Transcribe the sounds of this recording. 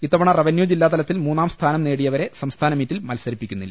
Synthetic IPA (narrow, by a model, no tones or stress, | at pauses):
it̪ːɐʋɐɳɐrɐʋɐnjuːd͡ʑilːaːt̪ɐlɐt̪ːilmuːnːaːmst̪ʰaːnɐmne̞ːɽijɐʋɐɾe̞sɐmst̪ʰaːnɐmiːtːilmɐlsɐɾipːikʲːunːilːɐ